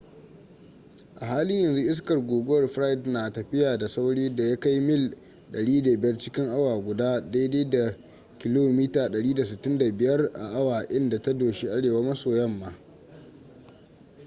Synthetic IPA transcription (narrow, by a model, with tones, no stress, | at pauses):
ʔa˨ɦaː˦lɪ˦ɲjɐ˨nzu˦ʔɪ˦s̬kɐ˨rɡʷoː˨ɡʷʊ˦wɐ˦˨rɸɾa˦jdnaː˨tɐ˨ɸɪ˦jaː˨da˨sa˦wɽiː˦da˨ja˦ka˦jmɪ˦˨l | ɗɐ˨ɽiː˦da˨bɪ˨jɐ˦rt͡ʃɪ˦kʲɪ˦ŋʔa˦waː˨ɡʷʊ˨daː˦da˦jdeː˦da˨ | kʲɪ˦loː˦miː˦taː˨ɗɐ˨ɽiː˦da˨s̬ɪ˨tːɪ˦nda˨bɪ˨jɐ˦rʔa̰˨ʔa˦waː˨ʔɪ˦nda˨ta˦doː˨ʃi˦ʔa˦ɽeː˨waː˦mɐ˦soː˨jɐ˦mːaː˦